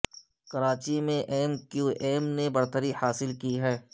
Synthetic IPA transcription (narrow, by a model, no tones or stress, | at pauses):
kɐɾaːt͡ʃimẽʔeːmkjuːʔeːmnebɐɾt̪əɾihaːsɪlkiɦɛː